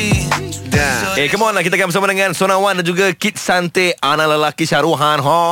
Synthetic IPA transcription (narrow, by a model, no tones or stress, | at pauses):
ekəmɔnlakit̪akanbəs̬amadəŋãnsonãwandand͡ʒuɡakit̪̚sant̪eanãləlakiʃaɾuɦanɦɔ